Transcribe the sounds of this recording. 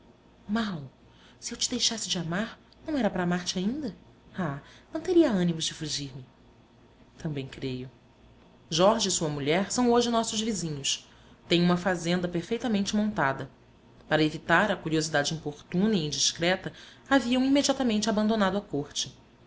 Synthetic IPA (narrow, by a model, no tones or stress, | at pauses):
maw | siewt͡ʃɪd̪ejʃasɪd͡ʒɪamaɾ | nɐ̃w̃ɛɾɐpɾɐːmaɾt͡ʃɪaĩnd̪ɐ | anɐ̃w̃t̪eɾiɐɐ̃nimʊzd͡ʒɪfuʒiɾmɪ | t̪ɐ̃mbẽj̃kɾejʊ | ʒɔɾʒɪsuɐmuʎɛɾsɐ̃w̃oʒɪnɔsʊzvizĩɲʊs | t̪ẽj̃ũmɐfazẽnd̪ɐpeɾfejt̪ɐmẽnt͡ʃɪmõnt̪ad̪ɐ | paɾɐevit̪aɾɐkuɾiozid̪ad͡ʒɪĩpoχt̪ũnɐiĩnd͡ʒiʃkɾɛt̪ɐaviɐ̃w̃imed͡ʒiat̪ɐmẽnt͡ʃɪabɐ̃nd̪onad̪ʊɐkoɾt͡ʃɪ